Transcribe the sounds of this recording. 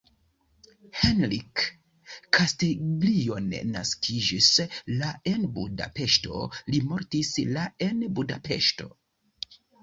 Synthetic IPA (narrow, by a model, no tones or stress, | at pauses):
henɾikʰː | asteɡlio̞n̰ːa̰skʰid͡ʒislae̞nbṵda̰pe̞ʃto̞̰limo̞ɾtislae̞nbuda̰pe̞̰ʃto̞̰